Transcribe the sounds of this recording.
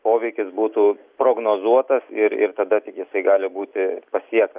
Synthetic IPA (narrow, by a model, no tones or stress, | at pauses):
poːʋʲɛɪkʲɪsbuːt̪uː | pɾoːɡnoːzuɔt̪ɐsɪɾɪ̰rt̪ɐd̪ɐt̪ʲɪkjɪsɐɪɡɑːlʲɪbuːt̪ʲɪpɐsʲiɛkt̪ɐ